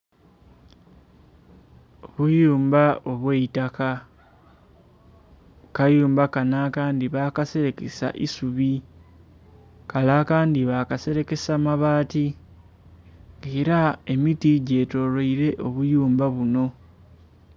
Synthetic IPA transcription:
oβujuːmbao̞βweitaka | kajuːmbakanaːkaːndiβaːkase̞ɾe̞ke̞sa̰ʔisuβi | kalakaːndiβaːkase̞ɾe̞ke̞samaβaːti | ŋeːɾae̞mitiɟe̞ːto̞loiɾe̞ʔo̞βujuːmbaβuno̞

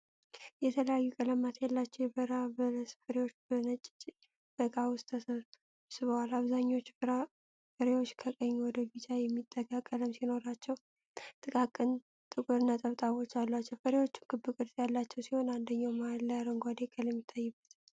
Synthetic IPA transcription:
jɛt̪ʰələjajːukʼələmːat̪jalːat͡ʃːɛwjɛbəɾabələsfəɾewo̞t͡ʃːbənət͡ʃʼːɪ̥t͡ʃʼ | b̥əkʼawʊst̪ʰəsə | sɨβəwalaβzaɲːao̞t͡ʃːɾa | fəɾewot͡ʃːkʰəkʼəɲːuwɔd̪əbɨt͡ʃʼajɛmːit̪ʼːəɡakʼːələmsino̞ɾat͡ʃːɛw | t̪ʼɨkʼakʼːɨn | t̪ʼɨkʼuɾɨnːat̪ʼəβt̪ʼaβo̞t͡ʃːalːat͡ʃːɛfəɾewo̞t͡ʃːu̥nkʰɨbːɨkʼɨɾt̪ʼjalːat͡ʃːɛwsiho̞nand̪əɲːawmalːəjaɾəŋɡʷad̪ekʼəlɛmːɪt̪ʰːajːɨbːət̪

